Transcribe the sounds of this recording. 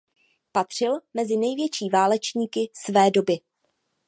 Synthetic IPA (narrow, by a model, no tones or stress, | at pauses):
pat̪r̝̥ɪlmɛzɪnɛjvjɛt͡ʃiːvaːlɛt͡ʃɲiːkɪsvɛːdo̞bɪ